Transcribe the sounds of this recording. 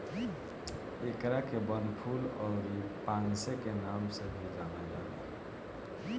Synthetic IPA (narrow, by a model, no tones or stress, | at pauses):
ekɾakebənpʰuːlɔːɾipãːnsekenaːmsebʱid͡ʒaːnad͡ʒaːe